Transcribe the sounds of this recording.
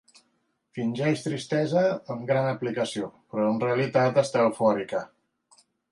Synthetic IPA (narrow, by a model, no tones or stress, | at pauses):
finʲʒɛʃt̪ɾist̪ɛzəːmɡɾanəplikəsiopɾɔənreəlit̪at̪əst̪awfɔɾikə